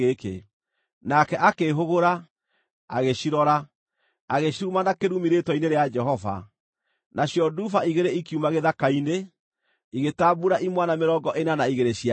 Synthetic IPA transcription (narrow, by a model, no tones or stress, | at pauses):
ekḛ | nakɛʔakeːɦoɣoɾa | a̰ɣeɕiɾɔɾa | aɣeɕiɾumanakeɾumiɾetɔineɾead͡ʒɛɦɔva̰ | naɕjɔdufaiɣeɾeikjumaɣeðakaine | iɣetaːbuɾaʔimwanameɾɔːŋɡɔʔenanaiɣeɾeɕia